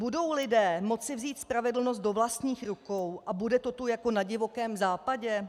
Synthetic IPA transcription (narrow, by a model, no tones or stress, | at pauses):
budo̞wlɪdɛːmo̞t͡sɪvziːt̪spɾavɛdl̩no̞s̬t̪do̞vlast̪ɲiːxɾukowʔabudɛt̪ot̪ojako̞naɟɪvo̞kɛːmzaːpaɟɛ